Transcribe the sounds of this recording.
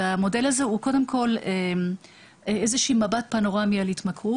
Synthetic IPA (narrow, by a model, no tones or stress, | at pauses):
amo̞de̞lazeuko̞demkʰo̞lem | eezeʃiːmabat̚panoʁamialitmakʁu